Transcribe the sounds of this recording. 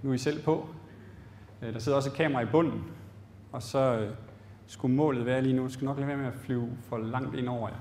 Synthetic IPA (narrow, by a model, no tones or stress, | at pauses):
nuisel̰pʰɔ̽ | d̥ɑ̈se̝ð̰ˠɒ̽səkʰɛ̰ːmɐʁɑ̈ib̥ɔ̽n̰n̩ | ɒ̽sɒ̽ø | sɡ̥umɔ̰ːlð̩ˠʋæːɐliːnusɡ̥nɒ̽ɡ̥leʋeɐmeæflyʊ̰fɒ̽lɑ̈ŋ̰d̥e̝n̰ɒʊ̰ɐjɑ